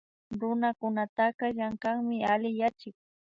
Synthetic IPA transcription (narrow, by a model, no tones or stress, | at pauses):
ɾʊnakʊnat̪aqɑʎaŋkaŋmɪalɪjat͡ʃɪk